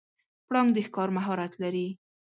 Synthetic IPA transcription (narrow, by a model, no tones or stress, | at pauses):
pɽɑŋd̪əxkɑɾmaɦɑɾat̪laɾi